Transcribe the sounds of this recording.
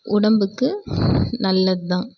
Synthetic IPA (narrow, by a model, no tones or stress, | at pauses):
ʊɽɐmbɯkːɯnɐlːɐðɯt̪ãː